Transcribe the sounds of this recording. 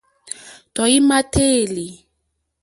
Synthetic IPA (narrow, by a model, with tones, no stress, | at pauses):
tɔ˨i˦ma˦tʰe˦˨li˨